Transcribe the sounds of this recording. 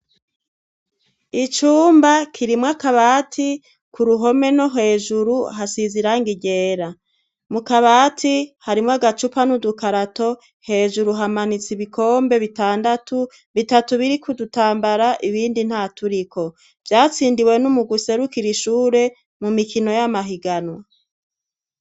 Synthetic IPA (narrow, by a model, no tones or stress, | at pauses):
it͡ʃuːmbakʰiɾimwakaβaːtʰi | kuɾuɦo̞me̞no̞ɦe̞ːʒuɾuɦasiziɾaŋɡiɟe̞ːɾa | mukaβaːtʰihaɾimŋaɡat͡ʃupanudukaɾato̞ | he̞ːʒuɾuɦamanit͡siβikʰo̞ːmbe̞βitaːndatu | βitatuβiɾikʰudutaːmbaɾaʔiβiːndin̥hatuɾiko̞ | v̥jaːt͡siːndiwe̞numuɡuse̞ɾukiɾiʃuːɾe̞ | mumikino̞jamaɦiɡanwa